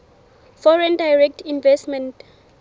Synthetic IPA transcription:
fɔɹɛ̃ndajɹɛk̚tʰinvɛstmɛ̃nt

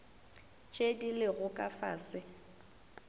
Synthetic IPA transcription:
t͡ʃʼedilɪɣʊkʼafaːsɪ

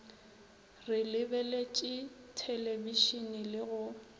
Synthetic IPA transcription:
rɪlɪbɛlet͡ʃʼɪtʰeleviʃinɪlɪɣʊ

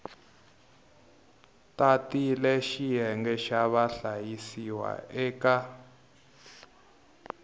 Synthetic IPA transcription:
tatilɛʃijɛŋɡɛʃaβaɬajisiwa̰ɛːka

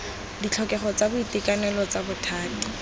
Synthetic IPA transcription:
dit͡ɬʰɔkɛχɔt͡sabʊitɪkanɛlɔt͡sabʊtʰaːti̥

